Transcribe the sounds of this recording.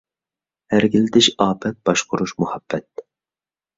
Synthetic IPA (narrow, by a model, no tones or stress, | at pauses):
hæɾɡʲilɪd̪ɪʃɑːpʰɛt̪̚b̥ɑʃqʰʊɾuʃmuhɑb̥ːɛt̪̚